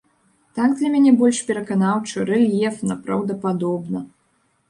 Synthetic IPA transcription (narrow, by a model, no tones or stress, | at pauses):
t̪aɡd̪lʲɐmʲanʲɛbɔlʲʂpʲɛɾɐkanawt͡ʂɨɾɛlʲjɛfnɐpɾɐwd̪ɐpad̪ɔbnɐ